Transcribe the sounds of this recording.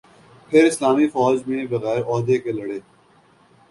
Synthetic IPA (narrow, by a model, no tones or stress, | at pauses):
pʰɪɾɪslaːmifɔːd͡ʒbĩebɐɣɛːɾɔːd̪ekelɐɽeː